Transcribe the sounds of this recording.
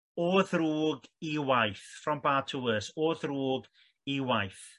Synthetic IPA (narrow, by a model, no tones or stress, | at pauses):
oːðruːɡiwajθfrɔmbaːtʰuəsoːðruːɡ | iwajθ